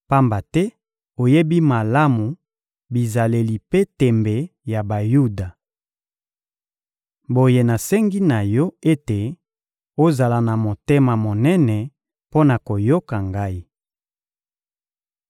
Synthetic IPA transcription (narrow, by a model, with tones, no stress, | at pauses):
pa˦mba˨tɛ˦ | o˨je˦bi˦ma˨la˦mu˨ | bi˨za˨le˨li˨pe˦tɛ˨mbe˨ja˨ba˨ju˦da˨ | bo˨je˨na˨sɛ˦ŋɡi˦na˨jɔ˦e˦te˨ | o˦za˨la˨na˨mo˨te˦ma˨mo˨nɛ˦nɛ˨ | po˦na˨ko˨jo˦ka˨ŋɡa˦i˦